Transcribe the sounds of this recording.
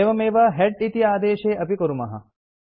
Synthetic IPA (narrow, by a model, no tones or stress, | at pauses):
ʋɐmeːʋɐɦeɖit̪iaːd̪eːʃeːʔɐpikɐɾumɐɦɐ̰